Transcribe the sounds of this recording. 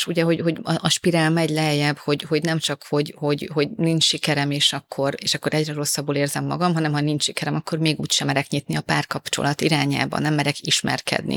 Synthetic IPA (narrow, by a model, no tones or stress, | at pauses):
ʃuɟɛɦo̞ɟho̞ɟɒɒʃpiɾaːlmɛɟlɛɦɛjɛbho̞ɟho̞ɟnɛmt͡ʃɒkho̞ɟho̞ɟho̞ɟnint͡ʃʃikɛɾɛmeːʃɒkʰːo̞ɾeːʃɒkːo̞ɾʔɛɟrɛɾo̞sːɒbːoːleːrzɛmːɒ̰ɡɒmɦɒnɛmhɒnint͡ʃʃikɛɾɛmɒkːo̞rmeːɡuːcʃɛmɛɾɛkɲit̪niɒpaːrkɒpt͡ʃo̰lɒt̪iɾaːɲa̰ːbɒ̰nɛmːɛɾɛkiʃmɛ̰rkɛ̰d̪nḭ